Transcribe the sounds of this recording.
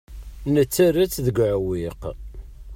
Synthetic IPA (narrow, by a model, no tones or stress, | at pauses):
nət͡sːæɾət͡sːðəɡʷʕwiq